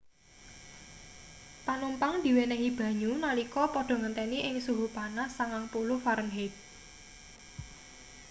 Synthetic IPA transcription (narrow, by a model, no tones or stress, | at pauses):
panumpaŋd̪̥i̤wenɛɦib̥ä̤ɲunalikɔpɔɖ̥ɔ̤ŋənt̪ɛniʔɪŋsuɦupanasaŋaŋpuluhfaɾənɦet̚